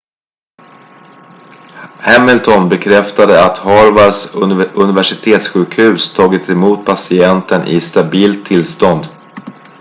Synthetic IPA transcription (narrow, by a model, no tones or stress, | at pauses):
hɛmɪlt̪ʰɔnbɛkʰɾɛft̪ad̪əat̪hɑːɾvaɾsɵnɪvæʂɪt̪ʰeːt̪sɧʉ̟ːkhʉ̟ːst̪ʰɑːɡɪt̪ɛmuːt̪̚pʰasɪɛnt̪ʰənʔɪ̰st̪abiːlt̪ʰːɪlst̪ɔnd̪